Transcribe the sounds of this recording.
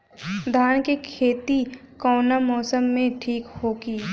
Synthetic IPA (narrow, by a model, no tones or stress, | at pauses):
d̪ʱaːnkikʰeːt̪ikɔːnamɔːsəmːẽʈʰiːkhoːɡiː